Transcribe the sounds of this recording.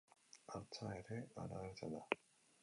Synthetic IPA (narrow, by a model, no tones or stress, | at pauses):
at͡ɕʰaeɾɯa̰ɾaaɭd͡ʑad̪a